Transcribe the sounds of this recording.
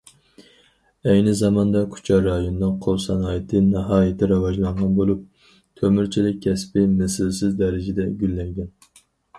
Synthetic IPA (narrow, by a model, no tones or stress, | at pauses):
ɛjnɨzɑmɑnd̪ɑkʲʰu̥t͡ʃʰɑɾɑjonɨnɨŋqʰolˠsɑnɑːjɪt̪ʰɨnɨɦɑːjɪt̪ʰɪɾɑwɑʒlˠɑɴʁɑnbolˠup̚ | t̪ʰømyɾt͡ʃʰilɪk̚ʲʰːɛspɪmɨsɪlsɪzd̪ɛɾɪd͡ʒɪd̪ɛɡʲylːɛŋɡʲɛn